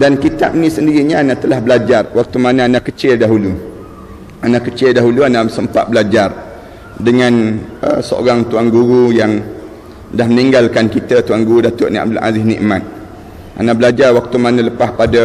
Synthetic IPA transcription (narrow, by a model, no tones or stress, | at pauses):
dankit̪a̰p̚nisəndiɾiɲaanat̪əlahbəlad͡ʒarwak̚t̪umanaanakət͡ʃɪldaɦulu | anakət͡ʃɪldaɦuluanasəmpa̰t̪̚bəlad͡ʒar | dəŋãnə̰səo̰ɾaŋt̪uaŋɡuɾujaŋ | dahməniŋɡalkankit̪at̪uaŋɡuɾudat̪ʊʔniʔa̰b̚dʊla̰zɪhnḭʔmat̪̚ | ʔa̰nabəlad͡ʒarwak̚t̪umanələpahpada